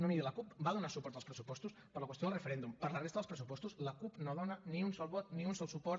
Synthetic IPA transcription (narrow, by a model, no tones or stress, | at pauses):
nomiðələkupbaðunaɾsupɔɾt̪aəlspɾəsupɔst̪uspəɾləkwəst̪onəlrefeɾɛnd̪umpəɾlərest̪ðəlspɾəs̬upɔst̪usləkupnoðɔnəniunsɔlˠβɔt̪nĩunsɔlˠsupɔɾ